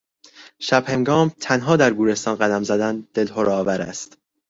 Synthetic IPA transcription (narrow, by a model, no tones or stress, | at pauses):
ʃæb̥heŋɡɒːmt̪ʰænɦɒːd̪æɾɡuːɾe̞st̪ɒːnɢæd̪æmzæd̪ænd̪̥e̞lɦoɾɒːvæɾæ̰st̪